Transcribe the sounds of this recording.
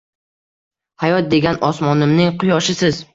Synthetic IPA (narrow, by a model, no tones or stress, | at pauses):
hajɒt̪̚d̪e̞ɡʲanɒsmɒnɪmnɪŋqʰʊjɒʃɪsɪz̥